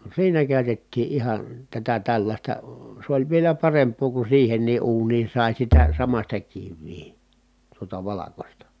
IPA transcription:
siːnæ kæˑy̞tetːiː ʔihɑn tætæ tælːɑsʲtɑ s olʲ ʋielæ pɑrempˑoː ku siːhenˑiː ʔuːniː sɑˑi sitæ sɑmɑsʲtɑ kiʋːiː tuotɑ ʋɑlɑkostɑ

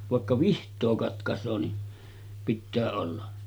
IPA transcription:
ʋɑˑekːɑ ʋihtˑoː kɑtkɑsˑoː ni pitːæː olːɑ

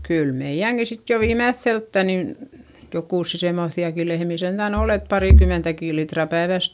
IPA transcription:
kyl meij̆æŋki sit jo ʋiːmeθːeltːæ nin jokuˑsːi semːoθːiɑki lehmiˑ sentæˑn ol et pɑriˑkymentækiˑ litrɑ pæeʋæˑs

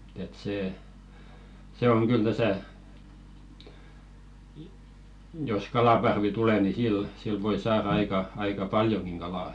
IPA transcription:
et seː se oŋ kyl tæsæ jos kɑlɑpɑrʋi tule ni sil sil ʋoi sɑːrɑ ɑikɑ ɑikɑ pɑljoŋɡ̊iŋ ɡ̊ɑlɑˑ

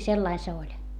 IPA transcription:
selːɑi se olʲ

